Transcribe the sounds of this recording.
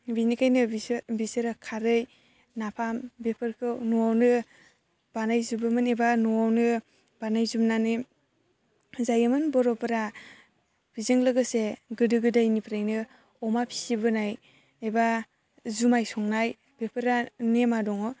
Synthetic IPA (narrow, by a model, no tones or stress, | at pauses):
binikʰajnɯbisɯɾakʰaɾɯj | napʰambepʰɯɾkʰɯwnɔwawnɯ | b̥anajzubɯmɯnebanɔwawnɯ | b̥anajzumnanɯ | zajɯmɯnbɔɾɔpɯɾa | b̥izɯŋlɯɡɯseɡɯdɯɡɯdajnipʰɾajnɯ | ɔmapʰi̥sibɯnaj | eba | zumajsɔŋnaj | bepʰɯɾanemadɔŋɔ